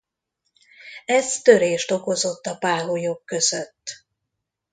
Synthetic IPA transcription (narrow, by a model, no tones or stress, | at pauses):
ɛzt̪ø̞ɾeːʃt̪o̞ko̞zo̞t̪ːɒpaːɦojokːøzøt̪ː